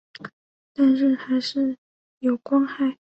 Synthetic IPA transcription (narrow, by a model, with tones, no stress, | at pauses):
t̪a˥˧nɻə˥˩nxa˧˥ɪʂɻ̩˥˩ | jo˨˩ʊkwɑ˥ŋxa˥˩ɪ